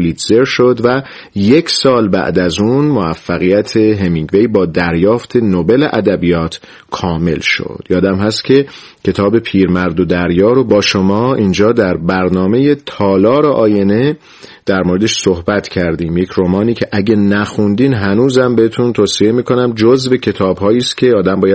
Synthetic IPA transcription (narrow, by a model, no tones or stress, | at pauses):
lit̪ze̞ɾʃo̞d̪væ | je̞cʰsɒːlbæ̰ʔd̪æzunmoæfːæɣijæt̪ʰe̞ɦemiŋɡve̞jbɒːd̪æɾjɒːft̪ʰe̞nobe̞leʔæd̪æbijɒːt̪ʰ | kʰɒːme̞̰lʃo̰d̪̥jɒːd̪æmɦæst̪cʰe̞ | cʰe̞t̪ʰɒːbe̞pʰiːɾmæɾd̪od̪æɾjɒːɾo̞bɒːʃomɒːiːnd͡ʒɒːd̪æɾbæɾnɒːme̞je̞t̪ʰɒːlɒːɾeʔɒːje̞ne̞ | d̪̥æɾmoːɾe̞d̪eʃsohbæt̪ʰcʰæɾd̪iːmje̞cʰɾomɒːniːcʰe̞ʔæɟenæxund̪iːnɦænuːzæmbe̞het̪ʰunt̪ʰoːsiemiːkʰo̞næmd͡ʒozve̞cʰe̞t̪ʰɒːbhɒːiːst̪kcʰe̞ɒːd̪æmbɒːjæ